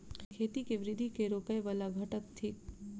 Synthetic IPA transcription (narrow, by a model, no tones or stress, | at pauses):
kʰeːt̪ikeʋɾɪd̪ʱikeɾoːkəjʋaːlaɡʱɐʈək̚t̪ʰiːk̚